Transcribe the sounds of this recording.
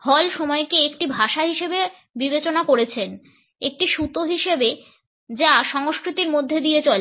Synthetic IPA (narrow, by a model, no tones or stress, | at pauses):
hɔlʃɔmɔekeekʈibʱaʃaɦiʃebe | bibet͡ɕonakoɾet͡ɕʰen | ek̚ʈiʃut̪oɦiʃebe | d͡ʑaʃɔŋoskɾit̪iɾmod̪ʱːed̪iet͡ɕɔl